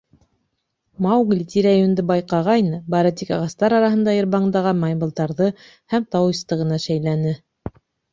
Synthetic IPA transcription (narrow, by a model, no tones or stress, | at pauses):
mɑwɡlʲit̪ʲiɾajond̪ɘbɑjqɑʁɑjnɤbɑɾɤt̪ikɑʁɑst̪ɑɾɑɾɑɦɤ̆nd̪ɑjɤ̆ɾβɑɴd̪ɑʁɑmɑjbɤ̆lˠt̪ɑɾðɤ | hæmt̪ɑwɤ̆st̪ɤʁɤ̆nɑʃæjlænɘ